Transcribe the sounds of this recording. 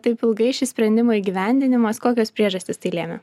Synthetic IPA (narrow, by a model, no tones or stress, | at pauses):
t̪ɐɪpʲɪlˠɡɐɪʃʲɪsʲpʲɾʲɛnʲd̪ʲɪmoːiɡʲiʋʲɛˑnʲd̪ʲɪnʲɪmɐskoːkʲoːspʲɾʲiɛʒɐsʲt̪ʲɪst̪ɐɪlʲeːmʲɛ̰